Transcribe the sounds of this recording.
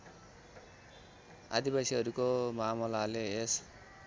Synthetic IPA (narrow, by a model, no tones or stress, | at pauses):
a̰d̪ibasiʌɾukomamʌlalees